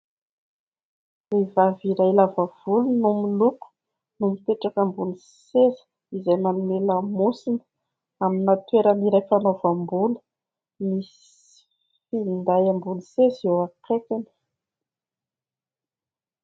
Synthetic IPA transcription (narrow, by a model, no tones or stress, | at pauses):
revaviɾajlavav̥ulunumiluku̥ | numit̪eʈ͡ʂakambuni | sezə̥ | izajmanumelamusinə̥ | aminat̪weɾəniɾajfanovambunə̥ | mis | find̪ajambunisezewakekani̥